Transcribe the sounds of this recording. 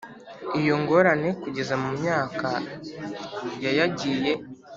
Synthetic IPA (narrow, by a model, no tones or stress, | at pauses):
ijoŋɡo̞ɾane̞kuɟe̞zamumɲaːka | jajaɟiːje̞